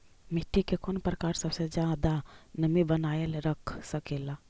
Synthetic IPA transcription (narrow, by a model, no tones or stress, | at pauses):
mɪʈʰːikekʰonpɾəkaːɾsəbsed͡ʒjaːd̪anəmibənaːelɾəkʰsəkeːla